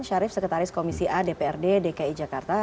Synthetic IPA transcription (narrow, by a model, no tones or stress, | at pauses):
nʃaɾɪfsəkət̪aɾɪskomisiʔadepeɛrdedekaid͡ʒakart̪a